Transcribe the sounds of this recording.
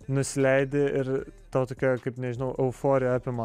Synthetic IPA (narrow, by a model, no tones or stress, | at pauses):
nʊsʲɪlʲɛɪd̪ʲeɪɾt̪ɑʊt̪oːkʲoːjkɐɪpnʲɛʒʲɪnɐʊʔɛʊfoːɾʲɪjoɑːpʲɪmɐ